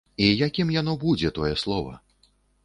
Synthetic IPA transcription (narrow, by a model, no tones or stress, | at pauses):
ijakʲimjan̪ɔbud͡zʲɛt̪ɔjɛslˠɔvɐ̰